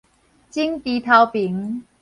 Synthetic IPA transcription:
t͡ɕi˥ŋt̪i˨˧t̪ʰa˧wpi˨˦ŋ

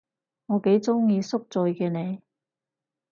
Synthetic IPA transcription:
ŋɔː˨˧ke˨˥jt͡sʊ˥ŋjiː˧sʊ˥k̚t͡sɵ˧jkɛː˧ne˨˧j

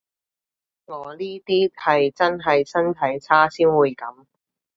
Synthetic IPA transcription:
ŋɔː˨˧liː˥t̪iː˥hɐ˨jt͡sɐ˥nɦɐ˨jsɐ˥nt̪ʰɐ˨˥jt͡sʰaː˥siː˥nwuː˨˧jkɐ˨˥m

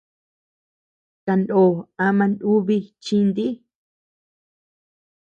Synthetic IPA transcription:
t̪a˧nd̪o˨ã˧mã˧ndu˦βi˧t͡ʃĩ˦˧nd̪i˦

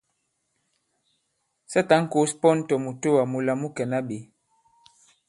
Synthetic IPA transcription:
sɛ˦ta˨˦ŋ̩˦ko˨˦spɔ˦n˦tɔ˨mu˨to˦wa˨mu˨la˨mu˦kɛ˨na˦ɓe˨˦

